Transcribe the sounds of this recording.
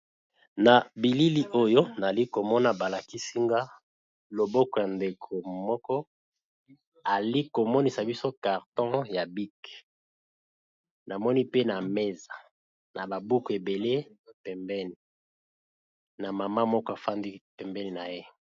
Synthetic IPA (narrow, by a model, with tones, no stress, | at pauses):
na˨bi˨li˦li˦ʔo˦jo˦na˨li˦ko˨mɔ˦na˨ba˨la˨ki˦si˦ŋɡa˦ | lo˨bɔ˦kɔ˨ja˨nde˨kʰo˨mɔ˦kɔ˦ | a˨li˦ko˨mɔ˦ni˨sa˨bi˦so˦ka˨ʁtɔ̃˦ja˨bi˦k | na˨mɔ˦ni˦pe˦na˨me˦za˨ | na˨ba˨bu˦ku˨e˨be˨le˦˨pɛ˨mbɛ˦ni˨ | na˨ma˨ma˦mɔ˦kɔ˦a˨fa˦ndi˦pɛ˨mbɛ˦ni˨na˨je˦